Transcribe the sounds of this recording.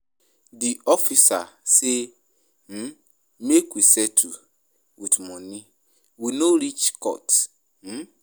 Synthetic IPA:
diɔfisase | m̩ | mekwisɛtʰu | witmɔ̃nĩ | winoɾit͡ʃkɔ̰t | m̩

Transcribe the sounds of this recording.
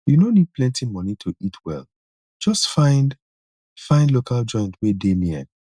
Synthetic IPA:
junonid̚plɛ̃ntimɔnitʰuitʰwɛ̰lˠ | d͡ʒ̥ɔstfãɪ̃nd | fãɪ̃ndlokʰald͡ʒɔ̃ɪ̃ntwedemiɛ̰̃n

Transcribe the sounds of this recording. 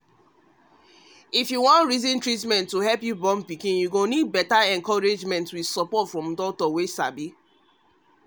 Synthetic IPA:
ifjuwɔ̃ntɹizĩntɹit̬mɛ̃ntːuɦɛlpjubɔ̃mpikĩnjuɡonid̚bɛtaɛ̃ŋkɔɹed͡ʒmɛ̃ntwið̥sɔpɔtfɹɔ̃mdɔk̚tɔwesa̰bi

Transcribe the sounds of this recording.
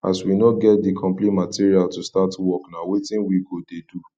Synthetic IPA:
a̰swinɔtɡɛt̚dikʰɔ̃mplĩtmatiɹialtustatwɔknawetĩnwiɡodedu

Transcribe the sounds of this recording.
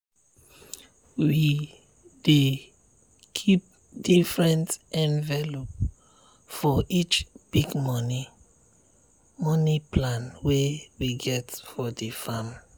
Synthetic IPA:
wi | de | kʰip̚ | difɹɛ̃ntɛ̃nvɛlop̚ | fɔʔit͡ʃb̥iɡmɔni | mɔniplãnwewiɡɛtfɔdifam

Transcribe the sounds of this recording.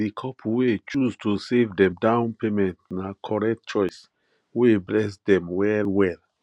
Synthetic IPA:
dikʰɔpʰwet͡ʃuztʰusevdɛ̃mdãʊ̃npemɛ̃ntnakʰɔɹɛk̚tt͡ʃɔɪs | weblɛsdɛ̃mwɛlwɛl

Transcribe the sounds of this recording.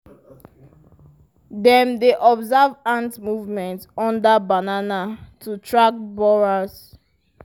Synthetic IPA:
dɛ̃mdeʔɔbzavãntmuvmɛ̃ntɔ̃ndabananatʰutʰɹak̚bɔɹaz

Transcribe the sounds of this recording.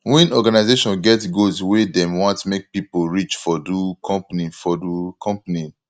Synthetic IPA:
wɛ̃nɔɡanazeʃɔ̃nɡɛtɡoswedɛ̃mwɔ̃ntmek̚pipoɹit͡ʃfɔdukʰɔ̃mpnifɔdukʰɔ̃mpani

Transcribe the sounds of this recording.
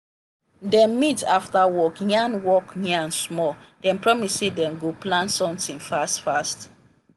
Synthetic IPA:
dɛ̃mːitaftawɔkjãnwɔkniaãnsmɔd̥ɛ̃mpɹɔmissedɛ̃mɡoplãntsɔ̃mtĩnfastfast

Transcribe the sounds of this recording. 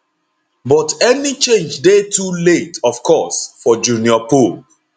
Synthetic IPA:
bɔtɛnit͡ʃẽnd͡ʒdetʰuletɔv̥kʰɔsfɔd͡ʒuniɔpul

